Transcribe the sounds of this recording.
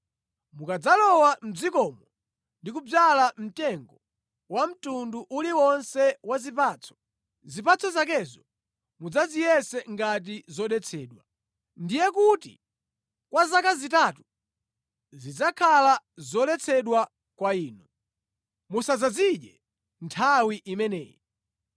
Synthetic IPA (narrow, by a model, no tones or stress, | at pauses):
mukad͡zalɔwam̩d͡zikɔmɔ | ndikub͡valam̩tɛŋɡɔ | wam̩tunduʔuliwɔnsɛwazipat͡sʰɔ̥ | zipat͡sʰɔzak̬ɛzɔ | mud͡zazijɛsɛŋɡat̬izɔɗɛt͡sʰɛːɗwa | ndijɛkutḭ | kwazakazitatu | zid͡zakʰalazɔlɛt͡sʰɛɗwa | kwaiːnu | musazaziɗɛ | ntʰawiʔimɛnɛ̰ːjɛ